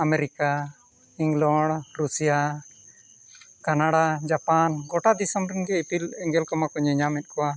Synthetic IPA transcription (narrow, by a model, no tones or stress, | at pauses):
amɛɾika | iŋlɔɖɾusija | kanaɽad͡ʒapanɡɔʈad̪isɔmɾɛnɡɛipilɛŋɡɛlkɔmakɔɲɛɲamɛt̪̚kɔwa